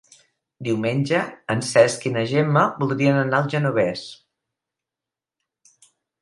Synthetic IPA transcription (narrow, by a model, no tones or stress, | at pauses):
d̪iwmenʲʒəənsɛskinəʒeməbulˠd̪ɾiənənalˠʒənuβ̞ɛs